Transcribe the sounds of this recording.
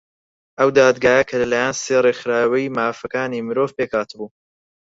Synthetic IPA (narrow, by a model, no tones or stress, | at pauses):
ʔɐwd̪aːd̪ɡaːjɐkʰɐlɐlaːjaːnseːrexɾaːwɐjmaːfɐkaːnimɨɾo̞ːvpeːkʰaːt̪ʰɨbuː